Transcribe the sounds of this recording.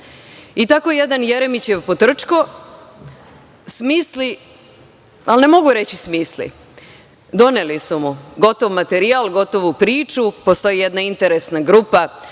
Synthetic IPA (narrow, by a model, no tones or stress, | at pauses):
it̪ako̞jed̪anjeɾemit͡ɕeʋpot̪r̩t͡ʃko̞ | smiːsli | alne̞mo̞ɡuɾet͡ɕismiːslḭ | d̪o̞nelisumuɡo̞t̪oʋmat̪eɾialɡo̞t̪o̞ʋopɾiːt͡ʃupo̞st̪o̞jije̞d̪naint̪eɾesnaɡɾupa